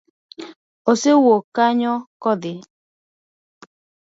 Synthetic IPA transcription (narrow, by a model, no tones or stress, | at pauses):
osewokaɲɔkɔðɪ